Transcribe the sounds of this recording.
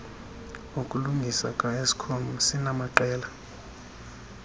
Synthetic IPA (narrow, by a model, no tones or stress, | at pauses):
ukʼuluŋɡʱisa̰kʼaesi̥kʰonusinamaǃɛːla